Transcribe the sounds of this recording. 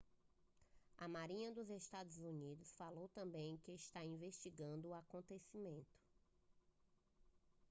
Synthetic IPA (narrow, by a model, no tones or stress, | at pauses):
ɐmaɾĩɲɐd̪ʊzest̪ad̪ʊzunid̪ʊsfalowt̪ɐ̃mbẽj̃kɪɪʃt̪aĩveʃt͡ʃiɡɐ̃nd̪ʊːakõnt̪esimẽnt̪ʊ̥